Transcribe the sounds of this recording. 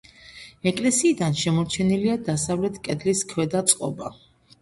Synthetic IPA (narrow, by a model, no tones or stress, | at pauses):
ɛkʼlɛsiːd̪anʃɛmɔt͡ʃʰɛniliad̪asavlɛt̪ʰkʼɛd̪liskʰwɛd̪at̪sʼqʼɔ̰ba